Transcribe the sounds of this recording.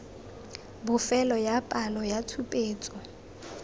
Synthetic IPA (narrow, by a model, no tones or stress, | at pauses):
bʊfɛlɔjapʼalɔjatʰupʼeːt͡sʼɔ